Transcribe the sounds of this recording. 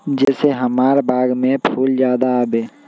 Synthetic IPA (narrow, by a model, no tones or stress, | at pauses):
d͡ʒɛːseɦəmaːɾbaːɡmẽpʰuːld͡ʒjaːd̪aːbeː